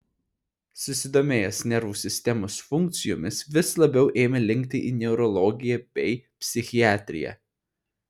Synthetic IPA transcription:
sʊsʲɪd̪oːmʲeːjɛsnʲɛɾʋuːsʲɪsʲt̪ʲɛmoːsfʊŋʲk̚t̪sʲɪjo̰ːmʲɪsʋʲɪslˠɐbʲɛʊʔeːmʲɛlʲɪŋʲk̚t̪ʲɪʔḭːnʲɛʊɾɔlˠɔɡʲɪjɛb̥ʲɛɪpʲsʲɪxʲɪæːt̪ʲɾʲɪ̰jɛ̰

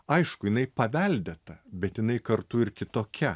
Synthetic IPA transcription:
ɐɪʃkʊjɪnɐɪpɐʋʲɛlʲd̪ʲɛt̪ɐbʲɛt̪jɪnɐɪkɐɾt̪ʊɪɾkʲɪt̪oːkʲɛ

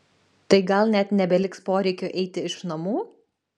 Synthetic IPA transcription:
t̪ɐɪɡɐlˠnʲɛt̪nʲɛbʲɛlʲɪkspoːɾʲɛɪkʲoːʔɛɪt̪ʲɪɪʃnɐmuː

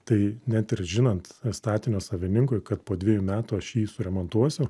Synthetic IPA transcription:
t̪ɐɪnʲɛt̪ɪɾʒʲɪnɐnt̪st̪ɑːt̪ʲɪnʲoːsɐʋʲɪnʲɪŋkʊɪkɐt̪poːd̪ʲʋʲiɛjuːmʲæːt̪uːɐʃjiːsʊɾʲɛmoːnt̪uɔsʲʊ

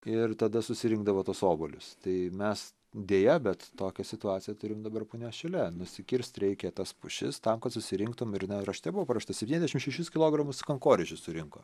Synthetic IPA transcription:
ɪrt̪ɐd̪ɐsʊsʲɪɾʲɪŋɡ̚d̪ɐʋoːt̪oːsoːbolʲʊst̪ɐɪmʲɛs | d̪ʲeːjɛbʲɛt̪toːkʲɛsʲɪt̪ʊɑːt͡sʲɪjɛt̪ʊɾʲɪmd̪ɐbɐrpʊːnʲoːʃʲɛlʲɛnʊsʲɪkʲɪɾʲsʲt̪ʲɾʲɛɪkʲɛt̪ɐspʊʃʲɪ̰st̪ɐmkɐt̪sʊsʲɪɾʲɪŋkt̪ʊmɪɾnʲɛrɐʃt̪ʲɛbʊʋoːpɾɐʃt̪ɐsʲɛpʲinʲɛzʲd̪ʲɛʃɪmʃʲɛɪʃʲʊskʲɪlˠoːɡɾɐmʊskɐŋkoːɾʲɛt͡ʃʲʊssʊɾʲɪŋko̰ː

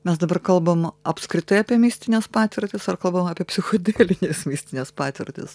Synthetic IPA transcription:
mʲɛs̬d̪ɐbɐrkɐlˠbɐmɐpskɾʲɪt̪ɐɪɐːpʲiɛmʲiːsʲt̪ʲɪnʲeːspɑːt̪ʲʋʲɪɾʲt̪ʲɪsɐrkɐlˠbɐmɐːpʲiɛpʲsʲɪxoːd̪ʲeːlʲɪnʲeːsmʲiːsʲt̪ʲɪnʲeːspɑːt̪ʲʋʲɪ̰rʲt̪ʲɪ̰s

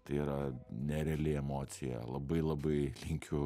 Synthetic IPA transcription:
t̪ɐɪiːɾɐnʲɛɾʲɛɛlʲɪɛmoːt̪sʲɪjɛ̰lˠɐbɐɪlˠɐbɐɪlʲɪŋʲkʲʰʊ

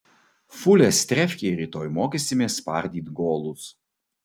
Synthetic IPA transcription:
fʊlʲɛsʲt̪ʲɾʲɛfʲkʲeɾʲiːt̪oːjmoːkʲesʲɪmʲeːspɑ̰ɾʲd̪ʲiːt̪ɡoːlˠʊs

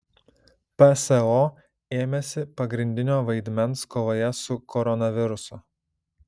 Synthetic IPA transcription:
pɛsɛoː | eːmʲɛsʲɪpɐɡɾʲɪnʲd̪ʲɪnʲoːʋɐɪd̪ʲmʲɛnskoːʋoːjɛsʊkʰɔɾɔnɐʋʲɪɾʊso

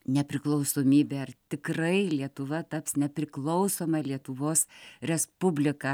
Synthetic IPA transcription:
nʲɛpʲɾʲɪklˠɐʊsoːmʲiːbʲeːɐrt̪ʲɪkrɐɪlʲiɛt̪ʊʋɐt̪ɐpsnʲɛpʲɾʲɪklˠɐʊsoːmɐlʲiɛt̪ʊʋoːsɾʲɛspʊbʲlʲɪkɐ

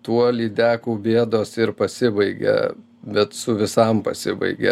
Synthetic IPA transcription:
t̪uɔlʲiːd̪ʲæːkuːbʲeɛd̪oːsɪrpɐsʲɪbɐɪɡʲɛ̰ | bʲɛt̪sʊʋʲɪsɐmpɐ̰sʲɪbɐ̰ɪɡʲɛ̰

